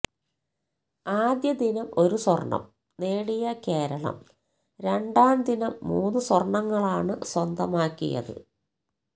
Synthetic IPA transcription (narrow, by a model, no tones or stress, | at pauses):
aːd̪jɐd̪inɐmo̞ɾuswɐrɳɐ̰m | neːɽijɐke̞ːɾɐɭɐ̰m | ɾe̞ɳɖaːnd̪inɐmːuːnːɨswɐrɳɐŋːɐɭaːɳɨswɐnd̪ɐmaːkːḭjɐ̰ðɨ̰